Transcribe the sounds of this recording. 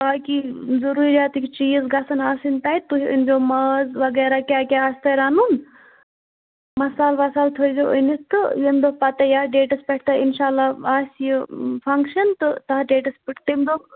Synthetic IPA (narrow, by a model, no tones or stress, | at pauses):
aːkizɐɾuːɾjaːt̪ikit͡ʃiːzɡɐsɐnaːsint̪ɐjit̪uɦiə̰nd͡ʒoːmɐzʋɐɡeːɾakʲaːkʲaaːst̪ɐjɾaːnuːn | mɐsaːlʋɐsaːlt̪ʰojzoːʔə̰nist̪ɨjimd̪oːkpɐt̪ɐjaːɖeːʈɐspɐʈʰt̪ɐinʃaːlːaaːsʲjəpʰɐŋkʃɐnt̪ɨt̪ɐɦɖeːʈɐspiʈʰt̪imd̪oːk